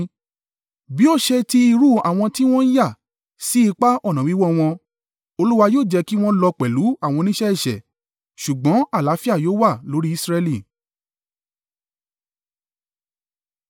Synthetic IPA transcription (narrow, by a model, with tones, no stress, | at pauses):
bi˨˦o˦˨ʃɛ˧ti˦i˧ɾu˦a̰˨w̃ɔ̃˧ti˦w̃ɔ̃˦ja˦˨ | si˦i˧k͡pa˦ʔɔ˦˨nã˨ĩ˨˦wɔ˦w̃ɔ̃˧ | o˧lu˦wa˧joː˦˨d͡ʒɛ˧ki˦w̃ɔ̃˦lɔ˧k͡pɛ˨lu˨˦a˦˨w̃ɔ̃˧nĩ˦ʃɛ˦ɛ˦˨ʃɛ̰˨ | ʃu˨ɡ͡bɔ̃˨˦a˦˨la˨˦fi˦a˦˨joː˦wa˦˨lo˨˦ɾi˦i˦˧˨sɾɛ˧li˦˨